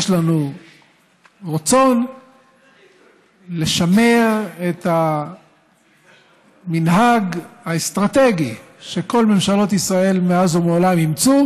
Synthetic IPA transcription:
jʃlanu | ʁat͡so̞n | le̞ʃame̞ʁe̞t̪a | minɦaɡhaest̪ʁat̪e̞ɡi | ʃe̞ko̞lme̞mʃalo̞t̪isʁae̞lmeazumeolamimt͡su

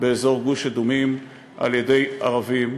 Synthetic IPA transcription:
beːzo̞ʁɡuʃad̪umim | ʔa̰ljede̞jʔaʁavim

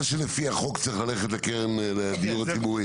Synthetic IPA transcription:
ʃelefiaχokt͡saiχlaleχet̪lakeʁenled̪ijuʁat͡sibuʁi

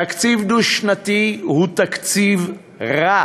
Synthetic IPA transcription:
akt͡sivduʃnat̪ihut̪akt͡siv | ʁa

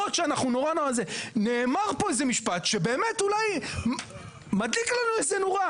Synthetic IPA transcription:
ot̪ʃeanaχnuno̞ʁano̞ʁazene̞ːmaʁpo̞ezemiʃpatʃe̞be̞ːme̞tulaj | mad̪liklanuezenoʁa

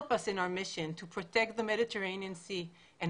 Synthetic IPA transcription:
pʌsɨ̃naʊə˞mɪʃɨ̃ntʰəpʰɹ̥ɨtʰɛk̚t̪̚ðəmɛɾɨtʰə˞ẽɪ̃niɨ̃nsi | ɨ̃n

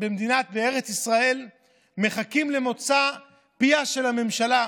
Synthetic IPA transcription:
bemd̪inat̪̚bee̞ʁe̞t͡sisʁae̞l | me̞χakimle̞mo̞t͡sa | piaʃe̞lhame̞mʃala

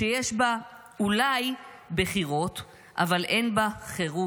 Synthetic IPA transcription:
ejeʃba | ulaj | beχiʁo̞t̪ | ʔa̰valʔe̞nbaχeʁu

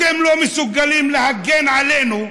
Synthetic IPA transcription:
ɛmlomɛsuɡalimlehaɡɛnʕalenu

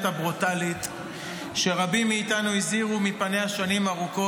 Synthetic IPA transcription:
tabʁutalit̪ | ʃe̞ʁabimːiːtanuiziʁumipane̞haʃanimaʁuko

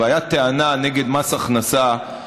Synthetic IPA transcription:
ajat̪eananeɡed̪masaχnasa

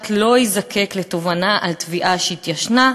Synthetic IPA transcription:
t̪lo̞izakʰe̞kle̞t̪o̞vanaʔalt̪viʔaʃeit̪jaʃna

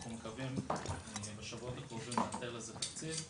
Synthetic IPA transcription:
χumekavim | beʃavuot̪akovimeat̪elazet̪akt͡siv

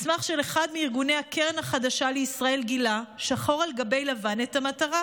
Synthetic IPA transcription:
smaχʃeleχad̪miiʁɡunehakeʁenhaχad̪aʃaleisʁae̞lɡilaʃaχo̞ʁalɡabe̞jlavane̞thamataʁa

